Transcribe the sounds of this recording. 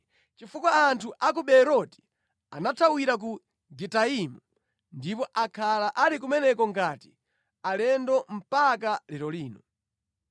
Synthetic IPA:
t͡ʃifukwaːntʰuʔak̬uɓɛɾɔti̥ | a̰natʰawiɾak̬u | ɡɛtaimu | ndipɔʔakʰalaʔalik̬umɛnɛkɔŋɡaːti̥ | alɛndɔm̩pakalɛɾɔliːnɔ

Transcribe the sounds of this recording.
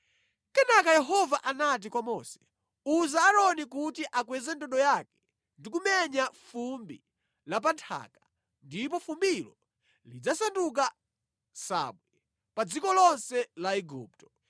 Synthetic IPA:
kɛnakajɛɦɔvaʔanat̬ikwamɔsɛ̥ | uzaːɾɔnikutiʔakwɛzɛndɔɗɔjakɛ̥ | ndikumɛɲafumbḭ | lap̬antʰa̰kḁ | ndip̬ɔfumbilɔ | lid͡zasanduk̬a | sa̰ɓwɛ | pad͡zikɔlɔnsɛlaɛɡuːp̚tɔ

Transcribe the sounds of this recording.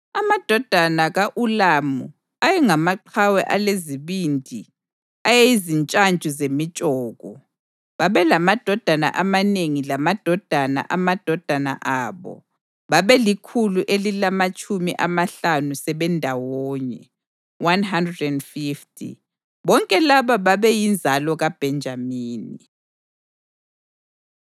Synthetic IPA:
amad̥ʱɔd̥ʱanaɣaʔulamu | ajɛŋamaǃʰawɛ̰ʔaleziβindʱi | ajeizint͡ʃʼant͡ʃʼuzemit͡ʃʼɔːɣɔ | βaβɛlamad̥ʱɔd̥ʱana̰ʔamaneŋilamad̥ʱɔd̥ʱana̰ʔamad̥ʱɔd̥ʱana̰ʔaːβɔ̰ | βaβɛlikʰuluʔelilamat͡ʃʼʰumḭʔamaɬanusɛβɛndʱawɔːɲɛ̰ | wanɦandrɛdɛndfiftʰʼḭ | βɔŋkʼɛlaβaβaβɛjind͡zʱalɔɣab̥ʱɛnd͡ʒʱamiːni

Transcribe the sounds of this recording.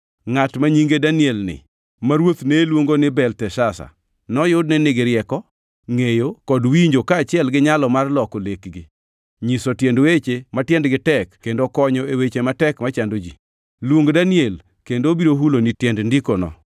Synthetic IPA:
ŋatmaɲiŋɡedanɪɛlnɪ̰ | maɾwot̪neːlwoŋɡonɪbɛltɛʃasa̰ | nɔjʊdnɛnɪɡɪɾjɛkɔ | ŋejokɔdwiɲd͡ʒokaːt͡ʃɪɛlɡɪɲalɔmarlɔkolekɡɪ | ɲisɔtjɛndwet͡ʃematjɛndɡɪtɛkːendokɔɲɔewet͡ʃematɛkmat͡ʃandod͡ʒi | lwoŋɡodaniel | kendobiɾoɦulonitjɛndndikonɔ̰

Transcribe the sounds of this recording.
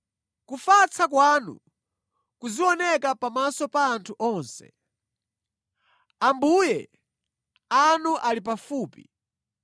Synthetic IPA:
kufat͡sakwanṵ | kuziwɔnɛkapamasɔpaːntʰuʔɔːnsɛ̰ | ambuːjɛ | anuʔalip̬afuːpi

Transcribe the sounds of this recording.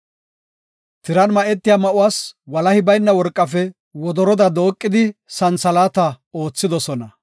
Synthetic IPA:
t̪ɪɾɐnmɐʔɛt̪ːɪjaːmɐʔʊwaːswɐlɐhɪbɐjnːɐwɔɾkʼːɐfɛ | wɔd̪ɔɾɔd̪ɐd̪o̞ːkʼːɪd̪ɪsɐnsɐlaːt̪ɐ | o̞ːt͡sːɪd̪ɔsɔnɐ

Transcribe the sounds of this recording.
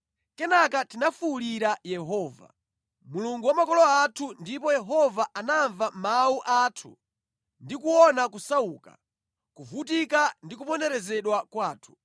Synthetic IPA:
kɛnakatinafuliɾajɛɦɔːva̰ | muluŋɡuwamakɔlɔatʰundipɔjɛɦɔvaʔanaɱvamawuʔatʰu | ndikuɔnakusauka̰ | kuvutikandikupɔndɛɾɛzɛɗwakwaːtʰu̥

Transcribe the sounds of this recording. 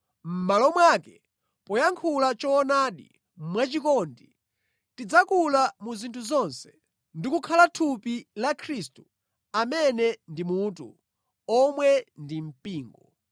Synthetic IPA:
m̩malɔmwaːkɛ | pɔjaŋkʰulat͡ʃɔːnaːɗḭ | m̩mwat͡ʃikɔndi | tid͡zakulamuzintʰuzɔnsɛ̥ | ndikukʰalatʰupilakʰɾistu | amɛnɛndimutṵ | ɔmwɛndim̩piːŋɡɔ

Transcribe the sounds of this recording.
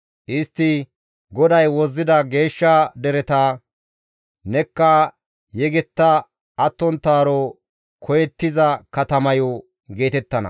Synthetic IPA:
ʔɪst̪ːɪ | ɡɔd̪ɐjwɔzːɪd̪ɐɡe̞ːʃːɐd̪ɛɾɛt̪aː | nɛkːɐ | jɛɡɛt̪ːɐ | ɐt̪ːɔnt̪ːaːɾɔ | kʰɔjɛt̪ːɪzɐkɐt̪ɐmɐjɔ | ɡe̞ːt̪ɛt̪ːɐnɐ̰

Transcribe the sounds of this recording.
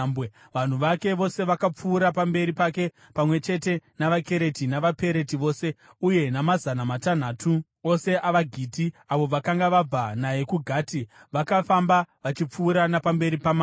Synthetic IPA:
mbe | ʋan̤uʋake̞ʋo̞se̞ʋakap͡fuːɾapambe̞ɾipake̞ | pamwe̞t͡ʃe̞te̞naʋake̞ɾe̞tinaʋape̞ɾe̞tiʋo̞ːse̞ | uje̞namazanamatan̤aːtu | ose̞ʔaʋaɡʱiːtiaʋo̞ʋakaŋɡaʋab͡vanaje̞kuɡʱaːtiʋakafambaʋat͡ʃip͡fuːɾanapambe̞ɾipamː

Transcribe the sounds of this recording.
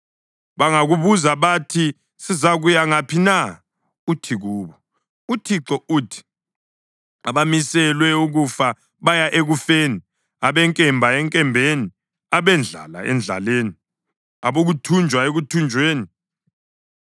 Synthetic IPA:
βaŋaɣuβuzaβatʰi | sizaɣujaŋapʰina | utʰiɣuːβɔ | utʰiǁɔuːtʰi̥ | aβamisɛlwɛuɣufa | βajaʔeɣufeːni | aβɛŋkʼɛmbʱaɛŋkʼɛmbʱeni | aβɛnd͡ɮʱa̰la̰ɛ̰nd͡ɮʱa̰leːni | aβoɣutʰund͡ʒʱwaeɣutʰund͡ʒʱweːni

